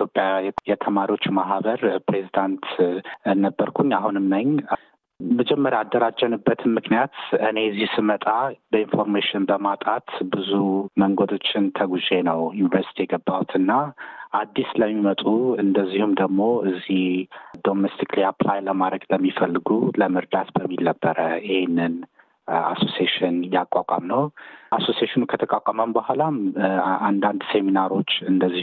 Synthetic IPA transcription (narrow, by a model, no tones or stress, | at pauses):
jopʼjajɛt̪ʰəmaɾiwo̞t͡ʃːumaɦβəɾpɾe̞zid̪ant̪ɨnːəbːəɾkʰuɲːaɦunɨmnəɲ | məd͡ʒɛmːəɾaad̪ːəɾad͡ʒːənɨbːət̪ʰɨnmɨknijat̪ɨne̞zihsɨmət̪ʼabəinfo̞ɾmeʃɪnbəmat̪ʼat̪bɨzuməŋɡod̪o̞t͡ʃːɪnt̪ʰəɡuze̞nəwjunivəɾsit̪ʰijɛɡəbːawt̪ʰɨnːaʔad̪ːisləmːimət̪ʼuɨnd̪əzːihumd̪əɡmo̞ɨzːihd̪o̞mest̪ʰikliaplajləmaɾəɡləmːifəlːɨɡuləmɨɾd̪at̪bəmːilnəbːəɾəjɪhenːɨn | a̰so̞sieʃɪnjakʼːakʷʼa̰mnəwaso̞sieʃɪnkʰət̪ʰəkʼakʷʼaməmbəhulamand̪and̪se̞minaɾo̞t͡ʃːɨnd̪əzːi